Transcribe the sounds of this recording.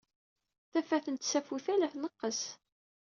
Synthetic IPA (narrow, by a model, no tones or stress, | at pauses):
θæfæθənt̪sæfuθælæθnəqːəs